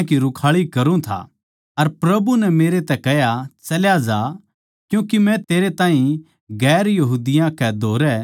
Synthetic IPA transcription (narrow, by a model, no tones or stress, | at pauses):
kiɾʊkʰaːɭikɐɾũt̪ʰa̰ | ɐɾpɾɐbunɛmeːɾet̪ɛkɛɦjat͡ʃɐljad͡ʒa | kjũːkimɛ̃t̪eːɾet̪ãːĩ | ɡɛːɾjɐɦuːd̪ɪjãkɛd̪ʱoːɾɛ